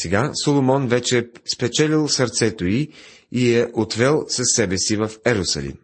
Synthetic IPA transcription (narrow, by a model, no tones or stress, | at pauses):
sɛɡasolˠomɔnvɛt͡ʃɛspɛt͡ʃɛlilˠsəɾt̪sɛt̪oi | iɛʔot̪vɛlˠsɐsːɛbɛsivəfɛɾosɐ̰lḭm